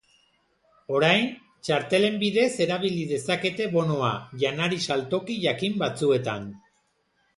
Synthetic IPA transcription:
o̞ɾajn | t͡ʃaɾt̪e̞le̞mbiðe̞se̞ɾaβ̞iliðe̞sake̞t̪e̞βo̞no̞aʝanaɾisalt̪o̞kiʝakimbat͡sue̞t̪an

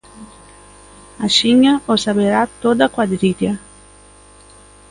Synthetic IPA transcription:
aʃiɲaosabeɾat̪od̪akwad̪ɾiɾja

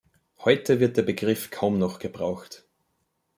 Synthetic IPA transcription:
hɔʏtʰəvɪɐt̚d̥eːɐbəɡʁɪfkʰaʊmnɔχɡ̥əb̥ʁaʊxt

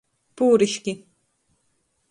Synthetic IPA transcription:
puːɾɪʃkɪ

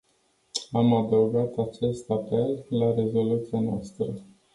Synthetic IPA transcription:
amad̪əwɡat̪at͡ʃe̞st̪ape̞lːaɾe̞zo̞lut̪sianoast̪ɾə

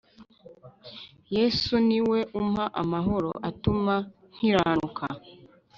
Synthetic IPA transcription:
jesuniweʔumaʔamaɦoɾo̰ʔatuma | ŋ̥iɾanukʰa

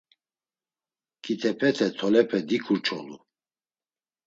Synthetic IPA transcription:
kʰʼit̪ʰɛpʰɛt̪ʰɛt̪ʰɔlɛpʰɛd̪ikʰuɾt͡ʃʰʼɔlu

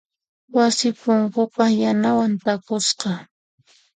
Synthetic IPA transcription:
wasɪpʊŋkʊpajanawant̪akʊsqɑ

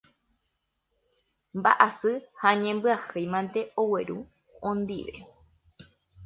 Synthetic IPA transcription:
mba̰ʔasɨhaɲẽmbɨahɨajmãnt̪e̞owe̞ɾu | õnd̪ḭʋe̞̰

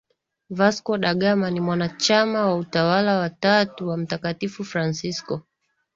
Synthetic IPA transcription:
vaskɔɗaɠamanimwanat͡ʃamawautawalawatatuwam̩takatifufɾansiskɔ

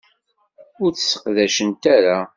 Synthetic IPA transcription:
ʊɾθə̥sə̥qðæʃənt̪aɾa

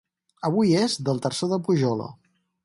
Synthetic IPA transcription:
əβ̞ujezðəlˠt̪ərsoðəpuʒɔlə̰

